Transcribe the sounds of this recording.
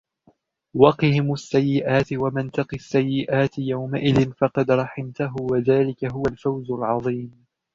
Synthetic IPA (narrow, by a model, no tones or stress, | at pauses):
wɑqɨhɪmasːajːɪʔaːt̪ɪwamɪnt̪ɑqisːajːɪʔaːt̪ɪjawmaʔɪðɪnfɑqɑd̪ɾˤɑħɪmt̪aɦʊwaðaːlɪkaɦʊwalfawzʊlʕɑðˤiːm